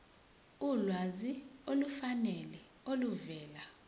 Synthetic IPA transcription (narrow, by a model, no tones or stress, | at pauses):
ulwaziolufanɛlɛ | oluvɛːla